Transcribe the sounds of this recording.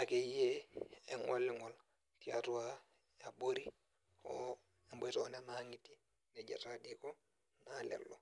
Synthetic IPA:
akejeeŋolːiŋol | tiatua | jaboɾi | o | embojtonenaŋiti | ned͡ʒatadiko | nalɛ̰lːo

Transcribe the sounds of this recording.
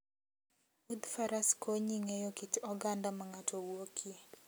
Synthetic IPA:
ud̪faɾaskoɲiŋejokitɔɡandamaŋatɔwokʰije

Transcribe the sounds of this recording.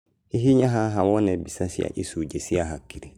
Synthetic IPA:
hiɦiɲaɦaɦawonebisasia̰ʔisud͡ʒesiaɦakːiɾi

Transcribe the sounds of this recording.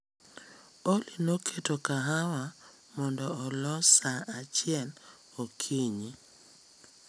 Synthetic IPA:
olinokʰetokaɦawa | mɔndɔːlɔsaat͡ʃɪɛl | okʰiɲi

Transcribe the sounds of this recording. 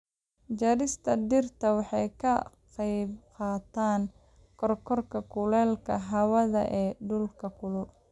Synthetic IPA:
d͡ʒɐɾɪst̪ʰɐd̪ɪrt̪ʰɐwɑħɑjkʰɐ | qɑjbqɑːt̪ʰaːn | kʰɔrkʰɔrkʰɐkʰʊlɛːlkʰɐ̰ɦɐwɐðɐ̰ʔɛːɖʊlkʰɐkʰʊlʊ

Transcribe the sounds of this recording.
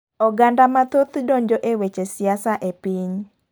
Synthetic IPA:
ɔɡandamat̪ot̪doɲd͡ʒoʔewet͡ʃesjasaʔepiɲ

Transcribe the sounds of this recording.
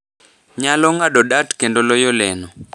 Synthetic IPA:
ɲalɔŋadɔdatkendolɔjɔlɛnɔ

